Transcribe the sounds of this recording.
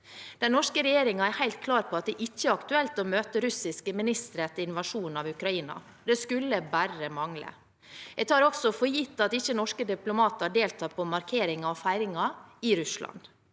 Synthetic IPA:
d̪̥ɛnnɔʂkəɾɛjeːɾɪŋɑæɾhæɪlt̪̚kʰlɑːɾpʰɔɑt̪̚d̪ɛʔɪçːəɑkt̪ʉɛlt̪ɔmøːt̪əɾʉsɪskəmɪnɪst̪əɾɛt̪ːəɾɪnʋɑʂuːnɑʋʉkɾɑiːnɑ̰ | d̪ɛskʉlːəbæɾəmɑŋlə̰ | jɛɡt̪ʰɑːɾɔɡsɔfɔɾjɪt̪ːɑt̪ɪçːənɔʂkəd̪ɪplʊmɑːt̪əɑɖeːlt̪ʰɑːpʰɔmɑɾkʰeːɾɪŋɑɔfæɪɾɪŋɑɪɾʉslɑ̰n

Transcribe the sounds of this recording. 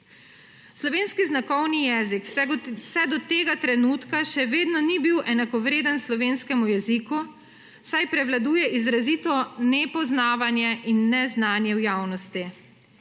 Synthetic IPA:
slɔʋeːnskiznakɔwnijɛːziksɛd̪ɔt̪eːɡat̪ɾɛnuːt̪kaʃɛʋeːd̪nɔnibiwʔɛnakɔʋɾeːd̪ənslɔʋeːnskɛmujɛziku | sajpɾɛʋlad̪uːjɛʔizɾazit̪ɔnɛpɔznaːʋanjɛʔinːɛznaːnjɛwjaːwnɔst̪i

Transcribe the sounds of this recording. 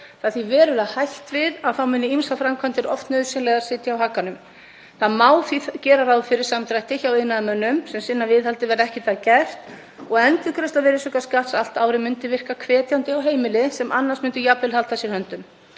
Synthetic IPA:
θaðθvivɛːɾʏahajht̪vɪðaðθawmɪnːɪimsafɾamkʰvant̪ɪɾɔ̰ft̪nœːðsɛnlɛɣḁsɪt̪jaawɦakːanʏm | θaðmaːwθiθcɛːɾaɾawðfɪɾɪɾ̥samt̪ɾajht̪ɪçawɪnaðmœnːʏmsɛmsɪnːavɪðhalt̪ɪvɛɾɛhcɪt̪ʰaðcɛr̥t̪ | ɔɣɛnt̪ɪkʰɾɛst̪avɛɾɪsʏkaskat̪sal̥t̪aːwɾɪmʏnt̪ɪvɪr̥kakʰvɛːt̪jawnt̪ɪawɦeːjmɪlɪsɛmʔa̰nːansmʏnt̪ɪjaplɪlhal̥t̪asjɛɾhœnt̪ʏm

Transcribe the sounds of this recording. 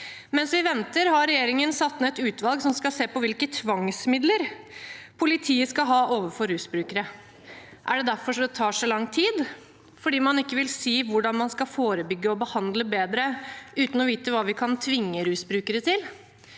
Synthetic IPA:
mɛnsʋɪʋɛnt̪əɾhɑɾɾɛjeːɾɪŋənsɑt̪ːmɛɛt̪ʉːt̪ʋɑlɡsɔmskɑseːpɔʋɪlkət̪ʰʋɑŋsmɪd̪ləɾ | pʰʊlɪt̪ʰiːəskɑɦɑːʔoːʋəfɔɾːʉːsbɾʉːkəɾə | ʔæɖɛd̪æɾfɔʂɔd̪ɛt̪ʰɑːʂɔlɑŋt̪ʰiːd̪ | fɔɖiːmɑnɪkːəʋɪlsiːʋʊɖɑnmɑnskɑfoːɾəbʏɡːəɔbəhɑnd̪ləbeːd̪ɾəʔʉːt̪n̩ɔʋiːt̪əʋɑːʋɪkʰɑnt̪ʰʋɪŋːəɾʉːsbɾʉːkəɾət̪ʰɪl

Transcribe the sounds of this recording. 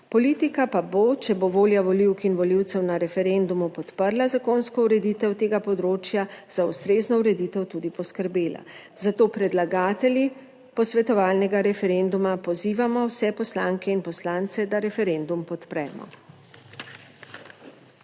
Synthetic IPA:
pɔliːt̪ikapabot͡ʃɛboʋoːljaʋɔliwkinʋɔliwt̪sɛwnaɾɛfɛɾend̪umupɔt̪pəɾlazakoːnskɔuɾɛd̪iːt̪ɛwt̪eːɡapɔd̪ɾoːt͡ʃjaz̥aust̪ɾeːznɔuɾɛd̪it̪ɛwt̪uːd̪ipɔskəɾbeːla̰ | z̥at̪oːpɾɛd̪laɡaːt̪ɛlʲji | pɔsʋɛt̪ɔʋaːlnɛɡaɾɛfɛɾend̪umapɔziːʋamɔwsɛpɔslaŋkɛinpɔslaːnt̪sɛd̪aɾɛfɛɾend̪umpɔt̪pɾɛ̰ːmɔ̰

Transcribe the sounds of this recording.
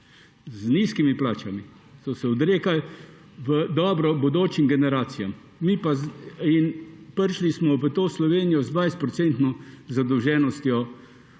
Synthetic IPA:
zniskimiplaːt͡ʃami | sɔsɛɔd̪ɾeːkal | ʋəd̪ɔːbɾɔbod̪oːt͡ʃimɡɛnɛɾaːt̪sijamː | ipainpəɾʃlismɔʋət̪oːslɔʋeːnijɔzd̪ʋajst̪pɾɔt̪sɛnt̪nɔzad̪ɔwʒɛːnɔst̪jɔ

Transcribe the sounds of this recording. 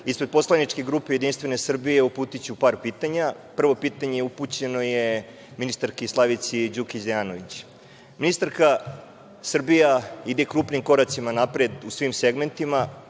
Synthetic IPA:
ispɾe̞d̪̚po̞slˠanit͡ʂkeɡɾuːpejed̪inst̪ʋe̞ne̞sr̩bijeupuːt̪it͡ɕupaːɾpiːt̪aɲapr̩ʋo̞piːt̪aɲejeuput͡ɕe̞no̞je | minist̪aɾkislˠaʋit̪sid͡ʑukizejaːnoʋit͡ɕ | minist̪aɾka | sr̩bijaid̪ekɾuːpnimko̞ɾat̪simanapɾed̪usʋimseɡme̞nt̪ima

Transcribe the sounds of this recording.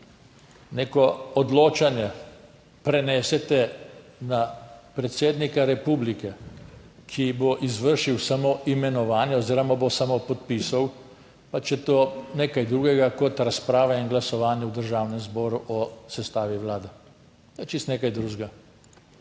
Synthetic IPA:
neːkɔɔd̪loːt͡ʃanjɛ | pɾɛnɛsɛt̪ɛnapɾɛt̪seːd̪nikaɾɛpuːblikɛ | kʰiboʔizʋəɾʃiwsamoʔimɛnɔʋaːnjɛɔziːɾɔmabosamopɔt̪pisaw | pat͡ʃɛt̪oːneːkajd̪ɾuːɡɛɡakɔt̪ɾaspɾaːʋɛinɡlasɔʋaːnjɛwd̪əɾʒaːwnɛmzbɔːɾuʔɔsɛst̪aːʋiʋlaːd̪ɛ | t̪ɔɛt͡ʃist̪neːkajd̪ɾuːʒɡa

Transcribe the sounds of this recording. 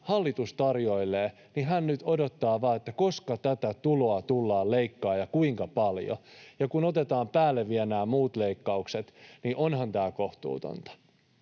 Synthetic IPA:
hɑlːit̪ust̪ɑrjo̞ilːeː | niɦænnyt̪o̞do̞t̪ːɑːʋɑːet̪ːæko̞skɑt̪æt̪æt̪ulo̞ɑt̪ulːɑːleikːɑːjɑkuiŋkɑpɑljo̰jɑkunot̪et̪ɑːmpæːlːeʋːienæːmuːt̪le̞ikːɑukset̪niʔonhɑnt̪æːko̞ht̪ṵːt̪o̰nt̪ɑ̥

